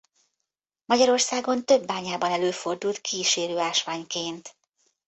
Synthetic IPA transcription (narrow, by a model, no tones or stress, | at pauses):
mɒɟɒɾo̞rsaːɡo̞nt̪ø̞bːaːɲaːbɒnɛløːfo̞rd̪ult̪̚kʰiːʃeːɾøːaːʃʋaːɲkeːnt̪